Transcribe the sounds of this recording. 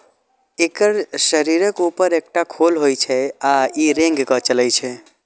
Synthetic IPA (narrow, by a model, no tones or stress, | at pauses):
ekəɾʃəɾiɾəkupəɾek̚ʈakʰolɦojt͡ʃʰɛaiɾẽŋɡkət͡ʃəlɛt͡ʃʰɛ